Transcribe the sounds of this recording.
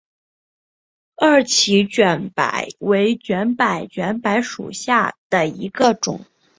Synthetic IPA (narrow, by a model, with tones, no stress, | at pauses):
ə˞˥˩t͡ɕʰi˧˥t͡ɕɥɛ˧˩npa̰˨˩˦ɪwe˧˥ɪt͡ɕɥɛ˧˥npa˨˩ɪt͡ɕɥɛ˧˥npa˧˥ɪʂṵ˨˩ɕja˥˩d̪̥ə˩i˧˥ɡə˧ʈ͡ʂʊ̰˨˩˦ŋ